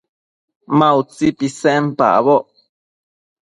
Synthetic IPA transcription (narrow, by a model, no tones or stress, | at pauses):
mãut͡sipisɛmpa̰ʔβoʔ